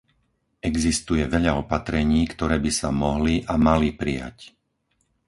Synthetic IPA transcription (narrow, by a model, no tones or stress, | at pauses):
ɛɡzist̪ujɛʋɛʎaɔpat̪ɾɛɲiːkt̪ɔɾɛːbisamɔɦliʔamalipɾija̰c